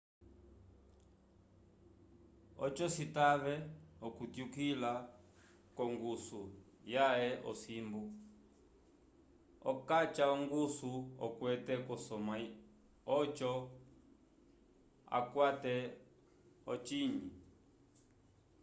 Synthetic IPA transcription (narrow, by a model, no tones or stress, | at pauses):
ɔt͡ʃɔsitaβɛɔkutjukila | kɔŋɡusu | jaɛʔɔ̰simbu | ɔ̰kat͡ʃaɔŋɡusuɔ̰kwɛtɛkɔsɔma | ɔt͡ʃɔ | a̰kwatɛ | ɔt͡ʃiɲi